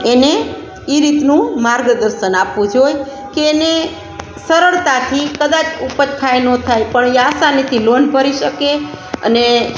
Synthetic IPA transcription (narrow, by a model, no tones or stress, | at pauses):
ene | iɾit̪nũmaɾɡd̪əɾʃənapʋũd͡ʒoj | keːne | səɾəɭt̪at̪ʰikəd̪at͡ʃupət͡ʃkʰajnot̪ʰajpəɳjasanit̪ʰilonbʱəɾiʃəkeə̰ne